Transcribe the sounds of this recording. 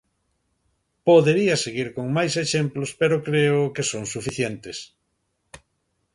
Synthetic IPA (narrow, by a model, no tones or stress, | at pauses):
poðeɾiɐseɣiɾkoŋmajseʃemplospeɾokɾeʊkesoŋsufiθjent̪es